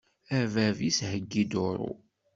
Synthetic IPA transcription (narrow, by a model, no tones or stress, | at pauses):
ævævishəɡːid̪ʊɾʊ̰